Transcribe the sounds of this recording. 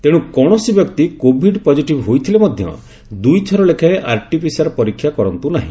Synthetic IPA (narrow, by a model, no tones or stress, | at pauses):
t̪eɽ̃ũkɔɽ̃ɔsibjɔkt̪ikobʱiɖpɔd͡ʒiʈibɦojt̪ʰilemɔd̪ʱjɔ̰ | d̪ujt͡ʃʰɔɾɔlekʰaeʔaɾʈipʰisaɾɔpɔɾikʰːjakɔɾɔnt̪unaɦḭ̃